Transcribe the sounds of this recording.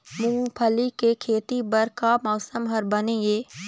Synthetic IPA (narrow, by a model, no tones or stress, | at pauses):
mʊ̃ŋɡpʰəlikekʰeːt̪ibɐɾkamɔːsəmɦɐɾbɐnejeː